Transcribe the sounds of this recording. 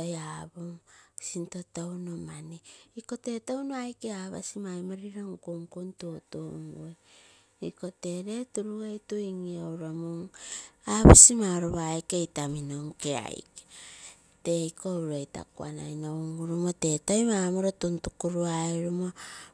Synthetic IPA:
ojaboŋsintotownomaneiko̞te̞townoajkeaβa̰simajmaɾiɾaŋkuŋkuntutoŋue | iko̞te̞ɾe̞tuɾuejtuiŋiowɾomuŋaβasimaoɾoβajkejtaminoŋkea̰jke | te̞ikoɾejta̰kua̰na̰jnoŋɡuɾumote̞tojmamoɾotuntukuɾuaeɾumo

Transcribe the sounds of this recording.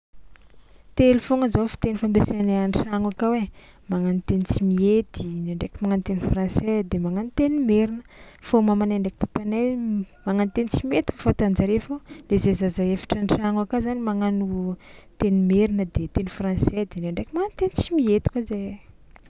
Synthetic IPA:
t̪elufoŋəzofi̥t̪enifambeseananʈ͡ʂaŋakawe | maŋant̪enit͡simiet̪ineaɳɖ͡ʐekʲimaŋant̪enifrãnsɛd̪emaŋanit̪enimeɾinəfomamaneɳɖ͡ʐeki̥p̪apanamaŋanit̪enit͡simiet̪i̥fafat̪and͡ʒaɾefolezezazaefḁʈ͡ʂaɳʈ͡ʂaŋakazanimaŋanut̪enimeɾinəd̪et̪enifransɛd̪eneɳɖ͡ʐekʲimaŋant̪enit͡simiet̪i̥kaze

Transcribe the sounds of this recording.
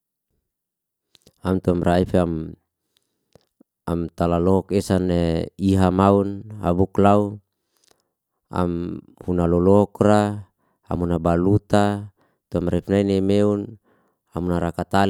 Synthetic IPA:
amt̪uamrʔaifam | amt̪alalɔɦɔkɛsaneiɦamauna̰buklau | a̰m | hunalɔlɔɔkra | a̰munabalut̪a | t̪uamraifnainemeun | amunaɾakat̪a

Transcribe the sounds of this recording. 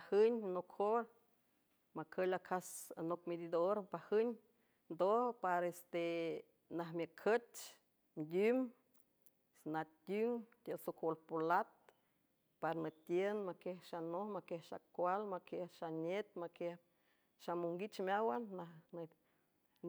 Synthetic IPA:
ahəɲnokhoɾ | makʰəlakʰasa̰nokmed̪id̪oɾpahəɲ | nd̪ohpaɾest̪e | naɦmʲəkʰət͡ʃ | nd̪ʲym | nat̪ʲyŋt̪ʲesokʰolpolat̪̚ | paɾnət̪jenmakehʃanohmakehʃa̰kʷalmakehʃanet̪makeh | ʃamuŋɡit͡ʃmʲawanːahn

